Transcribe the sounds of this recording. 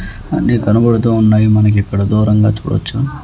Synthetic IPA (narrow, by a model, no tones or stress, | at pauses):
ɐ̰nikɐnubɐɽut̪̬uːunːaːjimɐnɐk̬ɛkːɐɽɐd̪uːɾɐŋɡaːt͡ʃṵːɽɐ̰t͡ʃːu